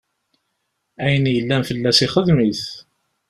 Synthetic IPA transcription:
æjənjəlːænfəlːæsiχəðmiθ

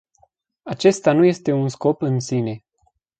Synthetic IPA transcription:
at͡ʃe̞st̪anuje̞st̪e̞unsko̞pɨnsine̞

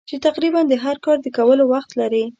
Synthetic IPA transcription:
t͡ʃet̪aqɾiband̪əɦaɾkɑɾd̪əkawəlowaxt̪laɾi

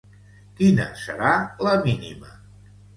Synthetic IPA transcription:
kinə̰səɾaləminḭmə

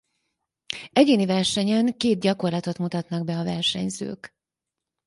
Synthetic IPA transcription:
ɛɟeːnivɛrʃɛɲɛŋkeːd̪̚ɟɒko̞rlɒt̪o̞t̪mut̪ɒt̪nɒɡbɛɒvɛrʃɛ̰ɲzø̰ːk

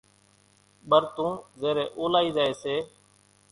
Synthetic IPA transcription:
ɓəɾt̪ũːzeːɾeːʔoːlaːiːzaːeːseː

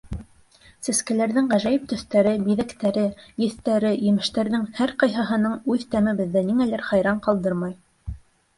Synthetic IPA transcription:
sæ̆skæ̆læɾðɘŋʁæʒæjɘp̚t̪ɵ̆θt̪æɾɘbiðækt̪æɾɘjɘ̆θt̪æɾɘjɘ̆mɘ̆ʃt̪æɾðɘŋhæɾqɑjɦɑɦɤ̆nɤɴʉðt̪æmɘ̆bɘ̆ðːæniŋælæɾχɑjɾɑɴqɑlˠd̪ɤɾmɑj

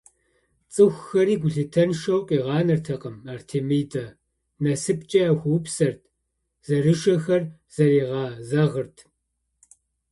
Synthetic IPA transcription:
t͡sʼɨxʷxɐɾiːɡʷʊɮɨtʰɐnʃɐwqʼiːʁɑːnɐrtʰɐqɐmaːrtʰeːmɨːdɐ | nɐsɨp̚ʼt͡ʃʼɐaxʷupsɐrtʰ | z̥ɐrɨʂɐxɐr | z̥ɐriːʁɑːzɐʁərtʰ

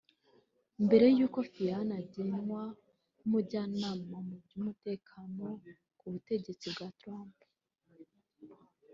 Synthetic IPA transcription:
mbe̞ɾe̞juːko̞fianaɟenwa | muɾɟaːnaːmamuɟumute̞ːkʰano̞ | kuβute̞ɟe̞t͡sibɡaːtɾaːmp

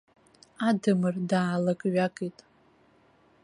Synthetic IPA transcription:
adɨmɨrdaʕalakʼɥʷakʼitʼ

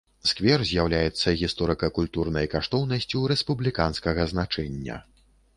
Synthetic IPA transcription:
skvʲɛrzʲjawlʲajɛt̪sːɐɣʲist̪ɔɾɨkɐkulʲt̪urnɐjkaʂt̪ɔwnɐsʲt͡sʲuɾɛspublʲikanskɐɣɐznat͡ʂɛnʲːɐ̰

